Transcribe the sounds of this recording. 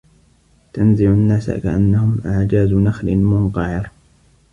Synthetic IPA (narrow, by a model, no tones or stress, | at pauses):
t̪anzɪʕanːaːsa̰ka̰ʔanːahʊmʔaʕd͡ʒaːzʊnaxlɪmʊnq̪ɑʕɪɾ